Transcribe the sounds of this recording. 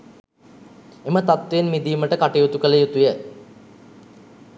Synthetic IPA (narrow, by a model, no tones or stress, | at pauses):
emət̪at̪ʋeenmid̪iːməʈəkaʈejut̪ukələjut̪ujæ